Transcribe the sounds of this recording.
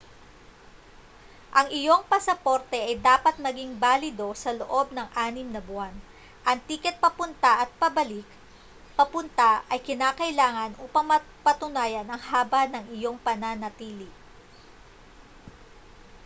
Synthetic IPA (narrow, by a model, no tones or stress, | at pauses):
ʔɐŋɪjo̞ŋpɐsɐpo̞ɾt̪ɛʔɐjd̪aːpɐt̪̚mɐɡiŋbaːlɪd̪o̞sɐloʔo̞b̚nɐŋʔaːnɪmnɐbʊan | ʔɐŋt̪iːkɛt̪̚pɐpʊnt̪ɐʔɐt̪̚pɐbɐlɪk | pɐpʊnt̪aʔɐjkɪnaːkɐɪlaːŋɐnʔuːpɐŋmɐ | pɐt̪ʊnaːjɐnɐŋhaːbɐnɐŋɪjo̞ŋpɐnanɐt̪iːlɪ